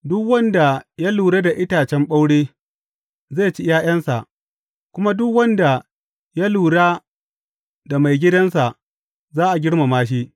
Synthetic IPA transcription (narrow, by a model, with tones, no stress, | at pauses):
dʊ˦kwɐ˦nda˨ja˦luː˨ɽa˦da˨ʔɪ˦taː˨t͡ʃɛ˦mɓa˦wɽeː˦ | za˦˨t͡ʃi˦jaː˦j̰ɐ˦nsa˨ʔ | kʷʊ˦ma˦dʊ˦kwɐ˦nda˨ | ja˦luː˨ɽaː˦ | da˨ma˨jɡʲɪ˦dɐ˦nsa˨ʔ | zaː˦ʔa˨ɡʲɪ˦ɽma˨maː˦ʃ̬i˦ʔ